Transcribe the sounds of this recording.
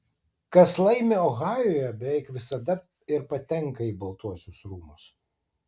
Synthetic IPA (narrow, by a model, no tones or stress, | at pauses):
kɐslˠɐɪmʲeoːɣɑːjoːjɛbʲɛʋʲɛɪkʋʲɪsɐd̪ɐ | ɪɾpɐt̪ʲɛŋˑkɐiːbɐlˠt̪uɔsʲʊsɾuːmʊs